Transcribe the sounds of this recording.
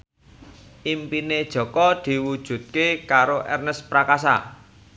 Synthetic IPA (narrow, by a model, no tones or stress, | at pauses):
ʔimpined̥ʒ̥ɔ̤kɔd̪̥i̤wud̥ʒ̥ṳt̪̚kekaɾoʔɛrnəspɾakas̬a̰